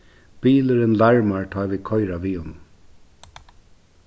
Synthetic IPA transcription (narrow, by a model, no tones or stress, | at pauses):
b̥iːləɾɪnlaɹmaɹt̪ʰaːʋiːkʰɔjɾaʋiːʊn